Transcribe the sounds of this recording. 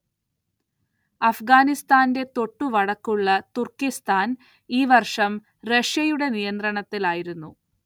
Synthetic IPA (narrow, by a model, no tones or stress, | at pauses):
ɐfɡaːnist̪aːnde̞t̪o̞ʈːuʋɐɽɐkːuɭːɐt̪urkist̪ʰaːn | iːʋɐrʂɐm | re̞ʂjɐjuɽe̞nijɐnd̪rɐɳɐt̪ːilaːjiɾunːu